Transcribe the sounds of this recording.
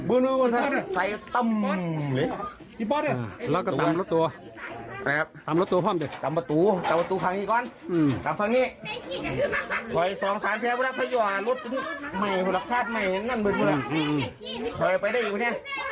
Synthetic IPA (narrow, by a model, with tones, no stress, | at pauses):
bɯː˧˨nɯː˧koː˧˩nt̪a˧a˧˨˧sa˨˩jt̪a˧˩˨m˧le˨˦ | i˧pɔ˧˥˧la˧˩˧ka˧˩˨ta˦˨˧mlo˦˥t̪tːu˧ɐ | a˧˨˧kʰa˧p̚t̪aː˨˦mlo˦˥t̪ːu˧ɐ˧pʰɔː˥˩˨mdi˧˩t̪aː˨˦mpa˧t̪uː˨˦t̪aː˨˦mpa˧t̪uː˨˦kʰa˨˦ŋiː˧˩kɔː˧˨nː˧˩t̪aː˨˦mfa˧ŋniː˧˥˩ | kʰɔ˨˩jsɔː˨˦ŋsaː˨˦mt̪ʰɛː˧bʰla˧˥pʰa˧˩juː˧a˧˩lo˦˥t̪̚pi˧˦n˧˩ma˧˩jpʰo˧˨la˧kt̪ʰaː˧˥˩t̪̚ma˧˩jna˧˥˩nbɯ˧˩n̚ʰu˧˩la˧ɯː˧˩˧ | kʰɔ˨˩jpa˧jda˧˩jʔiː˨˩pʰːni˧˩˨